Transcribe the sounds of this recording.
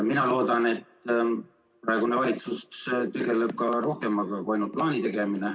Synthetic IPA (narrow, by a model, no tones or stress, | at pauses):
minɑlo̞ːd̪̥ɑne̞t̪ːˑ | prɑe̞ɡunevɑlit̪sust̪eɡe̞leb̥̚kɑɾo̞hke̞mːɑɡɑkuɑjnult̪̚plɑːnit̪e̞ɡ̥e̞mine̞